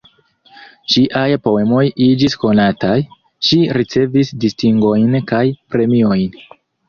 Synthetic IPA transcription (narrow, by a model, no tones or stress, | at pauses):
t͡ʃiʔajpo̞e̞mo̞jid͡ʒisko̞nataj | ʃiɾit͡se̞visdistiŋɡo̞jnkajpɾe̞mio̞jn